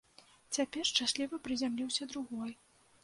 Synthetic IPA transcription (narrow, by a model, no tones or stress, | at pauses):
t͡sʲapʲɛrʂt͡ʂasʲlʲivɐpɾɨzʲamlʲiwsʲɐd̪ɾuɣɔj